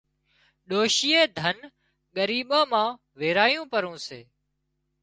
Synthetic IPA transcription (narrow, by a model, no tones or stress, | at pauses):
ɗoːʃiːeːd̪ʱən | ɠəɾiːɓãːmãː | ʋeːɾaːjũːpəɾũːsḛː